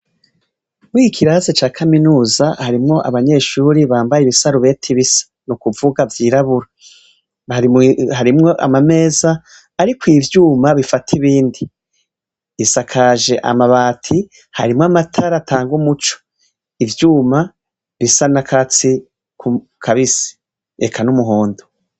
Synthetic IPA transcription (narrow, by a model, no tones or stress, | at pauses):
muikʰiɾaːzet͡ʃaːkʰaminuːzahaɾimŋo̞ʔa̰βaɲe̞ʃuːɾiβaːmbajiβisaɾuβe̞ːtʰiβisḁ | nukuvuɡavjiːɾaβuɾa | aihaɾimŋo̞ʔa̰mame̞ːzaː | ɾikwiːvjuːmaβifatʰiβiːndi | sakʰaʒe̞ʔa̰maβaːtʰi | ha̰ɾimŋamatʰaɾatʰaːŋɡumut͡ʃo̥ | ivjuːma | βisanakʰat͡si | ku | kʰaβisi̥ | ekʰanumuɦo̞ːndo